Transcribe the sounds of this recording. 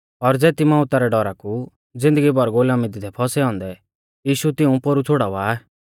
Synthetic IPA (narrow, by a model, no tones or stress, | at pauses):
ɔɾd͡zɛːt̪imãʊt̪aɾɛɖɔɾaku | d͡zɪ̃nd̪əɡibɔɾɡoːlamɪd̪id̪ʰʱɛpʰɔsɛɔ̃ːnd̪ɛ | jiːʃut̪ɪũpoɾut͡sʰoɽaʊaː